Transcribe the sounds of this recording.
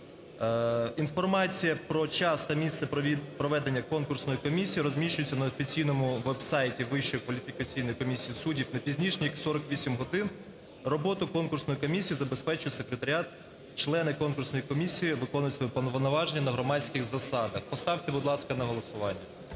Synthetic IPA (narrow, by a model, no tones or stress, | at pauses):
in̪fɔrmɑt͡sʲijɐpɾɔt͡ʃɑst̪ɐmʲist̪sɛpɾɔʋɛd̪enʲːɐkɔnkʊrsnɔjikɔmʲisʲijiɾɔzʲmʲiʃt͡ʃʊjʊt͡sʲːɐnɐɔfʲit͡sʲijnɔmʊʋɛbsɑjtʲiʋɪʃːɔjikʋɐlʲifʲikɐt͡sʲijnɔjikɔmʲisʲijisudʲiwnɐpʲizʲnʲiʃnʲijɐksɔɾɔkʋʲisʲimɦɔd̪ɪn | rɔbɔt̪ʊkɔnkʊrsnɔjikɔmʲisʲijizɐbespɛt͡ʃʊjʊt̪ʲsekɾet̪ɐɾʲɪɑt̪ | t͡ʃlˠɛnɪkɔnkʊrsnɔjikɔmʲisʲijiʋɪkɔnʊjɪt̪ʲsʋɔjɛpɔnɔʋnɔʋɑʒenʲːɐnɐɦɾɔmɑt͡sʲkɪɣzɐsɑd̪ɐxpɔst̪ɑwt̪ebʊd̪lˠɑskɐnɐɦɔlˠɔsʊʋɑnʲːɐ